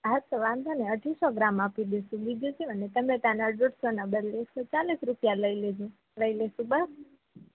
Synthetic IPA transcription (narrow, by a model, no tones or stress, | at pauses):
aɦətt̪əʋãnd̪ʱaneəʈʰisɔɡɾamapid̪eʃũbid͡ʒud͡ʒiənet̪əmẽt̪anaɖuʈsonəbəɾleksot͡ʃalisɾupjaləiled͡ʒũ | ləileʃũbəs